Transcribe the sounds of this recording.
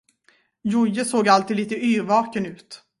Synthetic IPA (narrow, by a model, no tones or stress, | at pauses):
jʊjːəsoːɡalt̪ʰiːd̪iːt̪əyːɾvɑːkənʉ̟ːt̪